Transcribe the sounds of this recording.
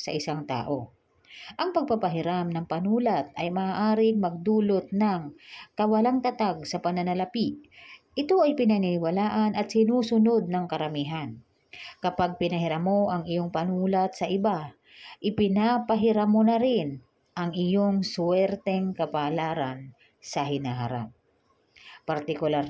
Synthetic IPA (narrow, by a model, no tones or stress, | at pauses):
sɐ̰ʔɪsaŋt̪a̰ːʔo | ʔɐŋpɐɡ̚pɐɡ̚pɐɦɪɾamnɐŋpɐnuːlat̪̚ɐjmɐʔaːʔaːɾɪŋmɐɡ̚d̪uːlot̪̚nɐŋkɐwɐlaŋt̪ɐt̪aɡsɐpɐnɐnɐlɐpiʔɪt̪o̞ʔɐjpɪnɐnɪnɪwalaːʔanʔɐt̪̚sɪnuːsʊno̞d̪̚nɐŋkɐɾɐmiːɦan | kɐpaɡ̚pɪnɐɦɪɾamo̞ʔɐŋɪjoŋpɐnuːlat̪̚sɐʔɪba | ʔɪpɪnapɐɦɪɾamonɐɾɪn | ʔɐŋʔɪjoŋswɛɾt̪ɛŋkɐpalaːɾɐn | sɐɦɪnaɦa̰ɾa̰p̚ | pɐɾt̪ɪkʊlaɾ